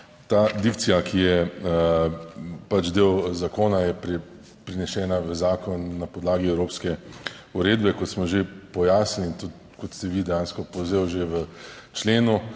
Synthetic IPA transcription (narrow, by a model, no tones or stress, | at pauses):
t̪aːd̪ikt̪sijakʰijɛ | pat͡ʃd̪eːwzakoːnajɛpɾɛ | pɾinɛʃɛːnaʋəzaːkɔnːapɔd̪laːɡiɛwɾoːpskɛ | uɾeːd̪bɛkɔt̪smɔʒepɔjaːsniint̪u | kɔt̪st̪ɛʋid̪ɛjaːnskɔpowzeːwʒeʋət͡ʃleːnu